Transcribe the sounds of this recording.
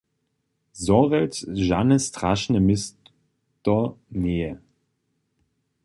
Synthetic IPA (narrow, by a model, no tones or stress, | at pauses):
zɔʁɛtʒanəstʁ̥aʃnəmɪs | tɔneːə